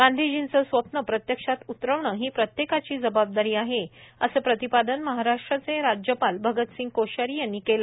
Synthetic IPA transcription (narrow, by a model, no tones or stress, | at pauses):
ɡ̥ãnd̪ʱid͡ʑint͡səsʋəpɳəpɾət̪jəkʂat̪ut̪ɾəʋɳəɦiːpɾət̪jekat͡ɕiːd͡zəbab̚d̪aɾiːaɦeəsəpɾət̪ipad̪ənməɦaɾaʂʈɾət͡seɾad͡ʑjəpalbʱəɡət̪sĩŋɡ̚koɕəɾiːjanːiːkel